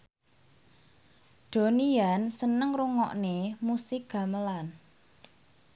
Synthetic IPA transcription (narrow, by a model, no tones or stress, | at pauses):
d̪̥o̤niansənəŋruŋɔ̰ʔnemusɪɡ̚ɡ̥ä̤məlan